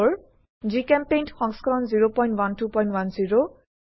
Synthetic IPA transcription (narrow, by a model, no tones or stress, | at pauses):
ɔɹ | zikɛmpejntxɔŋskɔɹɔnziɹopɔjntwantupɔj̃ntwanziɹo